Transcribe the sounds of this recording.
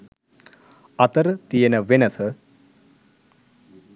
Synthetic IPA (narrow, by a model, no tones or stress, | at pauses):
ɐt̪ɐɾt̪ijenɐʋenɐsɐ